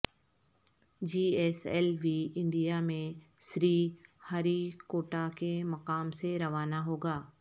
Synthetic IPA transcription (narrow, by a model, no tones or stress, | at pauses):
d͡ʒiːɛːsɛːlʋiːɪ̃ɳɖijamẽ | sɾiːhaɾikoːʈakemɐqaːmseɾɐʋaːnaɦoːɡaː